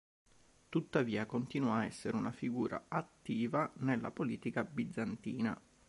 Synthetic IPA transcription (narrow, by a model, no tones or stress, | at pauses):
t̪ut̪ːaviːakont̪iːnuaɛsːeɾeunafiɡuːɾa̰at̪ːiːvanelːa̰poliːt̪ikabid̪zant̪iːna̰